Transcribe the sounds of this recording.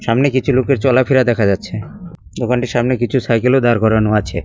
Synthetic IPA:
ʃamnekit͡ɕʰulokeɾt͡ɕɔlapʰiɾad̪ɛkʰad͡ʑatːɕʰe | d̪okʰanʈiɾʃamnekit͡ɕʰusajkelod̪aɾkɔɾanoat͡ɕʰe

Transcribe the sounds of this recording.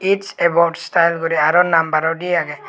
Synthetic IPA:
it͡ʃɛbɔʈstajlɡɔɾiaɾɔnambaɾɔdiaɡɛ

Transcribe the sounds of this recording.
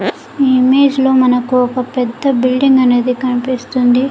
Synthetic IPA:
iːime̞ːd͡ʒlo̞ːmɐnɐkuɔkɐpɛd̪ːɐbilɖiŋɡɐne̞ːd̪ikɐnipist̪und̪i

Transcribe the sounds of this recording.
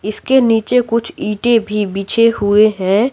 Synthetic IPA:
ɪskeniːt͡ʃekʊt͡ʃʰiːʈebʱibiːt͡ʃʰehueɦɛ̃ː

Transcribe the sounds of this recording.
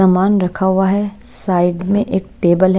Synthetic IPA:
amaːnɾɐkʰaɦʊaɦɛ | saːɪɖmẽʔeːk̚ʈeːbəlɦ

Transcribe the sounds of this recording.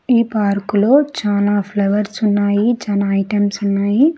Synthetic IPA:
iːpaːɾkulo̞ːt͡ʃaːlaːpʰlɐʋɐɾsunːaːjit͡ʃɐnɐɐjʈɐmsunːaːji

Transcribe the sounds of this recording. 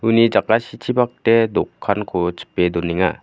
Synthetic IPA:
unid͡ʒakasitʰibak̚tedɔkʰːankʰot͡ʃʰi̥pedɔniŋa̰

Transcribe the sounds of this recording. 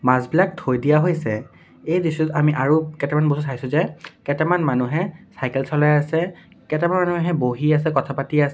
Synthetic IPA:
mazbilak̚tʰojdijaɦojsɛ | ejdisʊtamiʔaɹukɛtɛmanbosutʰajsʊ̃zɛkɛtɛmanmanuɦɛsajkɛlsɔlajasɛ | kɛtɛmanmanuɦɛboɦias̬ɛkɔtʰapatiasɛ

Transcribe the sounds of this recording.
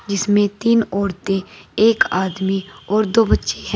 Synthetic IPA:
d͡ʒɪsmẽt̪iːnɔːɾt̪eeːkaːd̪miɔːɾd̪oːbətːʃeɦɛ̃

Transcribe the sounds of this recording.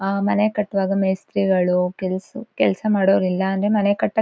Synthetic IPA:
mɐnekɐʈːɐʋaːɡɐmɐjst̪ɾiɡɐɭukɛlsukɛlsɐmaːɽoːʋɐɾilːɐːnd̪ɾemɐnekɐʈːɐ

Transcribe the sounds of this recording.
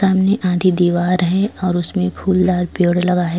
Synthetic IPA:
aːmneʔãːd̪ʱid̪iːʋaːɾɦɛ̃ɔːɾʊsmẽpʰuːld̪aːɾpjoːɽlɐɡaɦɛː

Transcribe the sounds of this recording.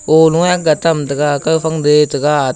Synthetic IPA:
oluŋaɡatamtəɡakafaŋdetəɡa

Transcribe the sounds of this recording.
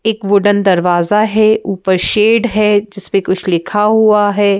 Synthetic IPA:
eːkʋʊɖənd̪ɐɾʋaːzaɦɛʔuːpəɾʃeːɖɦɛd͡ʒɪspẽkʊt͡ʃʰlɪkʰaɦuaɦɛː

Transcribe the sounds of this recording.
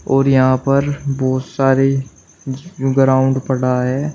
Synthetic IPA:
ɔːɾjɐɦãpɐɾbɔːt̪saːɾe | ɡɾaːʊ̃ɳɖpɐɽ̤aɦɛː

